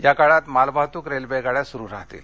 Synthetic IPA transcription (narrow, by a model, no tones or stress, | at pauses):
jakaɭat̪malbʱaɦt̪uːkɾelbeɡaɭjasuɾuːɾaɦt̪ḭːl